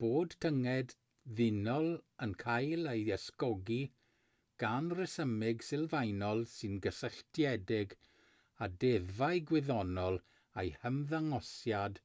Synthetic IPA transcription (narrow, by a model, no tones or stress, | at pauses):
b̥oːd̥tʰəŋɛd | ðɪnɔlˠənkʰajlˠejɛskɔɡi | ɡ̥anrɪsəmɪɡsɪlˠvajnɔlˠsɨnɡəsəɬtʰjɛdɪɡ | adɛðvajɡwɪðɔnɔlˠ | ejhəmðaŋɔsjad̥